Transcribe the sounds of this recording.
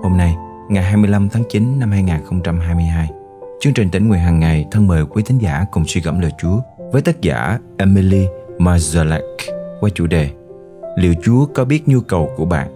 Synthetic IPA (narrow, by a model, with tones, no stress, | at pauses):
ho˧mna˧j | ŋa˨˩jɦaː˧jmɨ˧əjla˧mt̪ʰaː˨˦ŋt͡ɕi˨˦nna˧mhaː˧jŋaː˨˩nxə˧wŋ͡mt͡ɕa˧mɦaː˧jmɨ˧əjɦaː˧j | t͡ɕɨ˧əŋt͡ɕï˨˩ŋ̟t̪ï˧˩ŋ̟ŋu˨˩ənɦaː˨˩ŋːa˨˩jt̪ʰə˧nməː˨˩jkwi˨˦t̪ʰi˨˦ŋ̟za̰ː˧˩kʊ˨˩ŋ͡mswi˧ɣə̰˧˩mlə̰ː˧˨jt͡ɕu˨˦əvəː˨˦jt̪ə˦˥t̚za̰ː˧˩ʔe˧mi˧li˧maː˧za˧lɛ˦˥kkwaː˧˩t͡ɕṵ˧˩ɗe˨˩ | lḭ˧˨wt͡ɕu˨˦əkɔ˨˦ɓi˦˥ət̚ɲu˧kə˨˩wku˧˩əɓa̰ː˧˨nʔ